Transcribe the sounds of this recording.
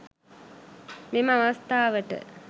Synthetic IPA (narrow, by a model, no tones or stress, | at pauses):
meməaʋast̪aːʋəʈə̰